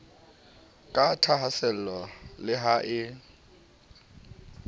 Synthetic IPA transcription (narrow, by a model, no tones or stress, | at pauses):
kʼatʰaɦasɛl̩lɔlɪɦaʔɪ